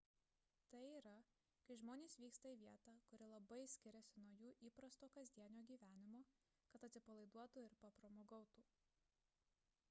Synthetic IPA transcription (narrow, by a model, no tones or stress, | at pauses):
t̪ɐɪiːɾɐ | kɐɪʒmoːnʲeːsʋʲiːkst̪ɐiːʋʲiɛt̪ɑːkʊɾʲɪlˠɐbɐɪsʲkʲɪɾʲɛsʲɪnuɔjuːʔiːpɾɐst̪oːkɐzʲd̪ʲiɛnʲoːɡʲiːʋʲæːnʲɪmoː | kɐt̪ɐt̪ʲsʲɪpɐlˠɐɪd̪uɔt̪uːɪɾpɐpɾɐmoːɡɐʊt̪uː